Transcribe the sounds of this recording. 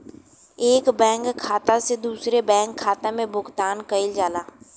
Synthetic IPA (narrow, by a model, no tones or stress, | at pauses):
eːkbɛ̃ːŋkʰːaːt̪ased̪uːsɾebɛ̃ːŋkʰːaːt̪amẽbʊɡt̪aːnkəɪld͡ʒaːlaː